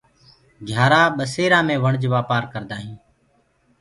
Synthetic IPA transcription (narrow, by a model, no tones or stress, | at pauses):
ɡʱjaːɾaːɓəseːɾãːmẽːʋəɳd͡ʒʋaːpaːɾkəɾd̪aːɦĩː